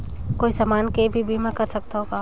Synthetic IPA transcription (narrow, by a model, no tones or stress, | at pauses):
koːisamaːnkebʱibʱimãkɐɾsɐkt̪aɦoːɡaː